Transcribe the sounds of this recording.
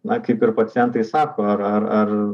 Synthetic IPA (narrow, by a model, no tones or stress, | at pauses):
nɐkɐɪpɪrpɐtt͡s̪ʲjɛnt̪ɐɪsɑːkoːɐɾɐrɐr